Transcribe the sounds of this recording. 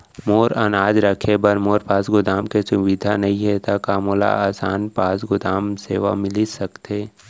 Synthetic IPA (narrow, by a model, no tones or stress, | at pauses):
moːɾɐnaːd͡ʒɾɐkʰebɐɾmoːɾpaːsɡʊd̪aːmkesʊʋid̪ʱanɐɦĩɦɛt̪akaːmola̰aːsa̰ːnpaːsɡʊd̪aːmsḛːʋa̰mɪlisɐkt̪eː